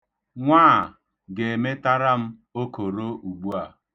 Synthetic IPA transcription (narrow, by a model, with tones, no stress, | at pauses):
ŋʷaː˦˨ | ɡe˨e˨me˦ta˦ɾa˦m̩˦ | o˦ko˨ɾo˦ʔu˨ɡ͡bu˦a˨